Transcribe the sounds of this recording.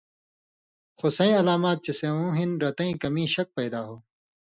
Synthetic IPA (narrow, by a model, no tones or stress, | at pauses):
xosɐ̃ĩːɐlaːmaːt̪̚t͡ɕɐsẽːũːɦinɾɐt̪ɐ̃ĩːkɐmĩːɕɐk̚pɐjd̪aːɦoː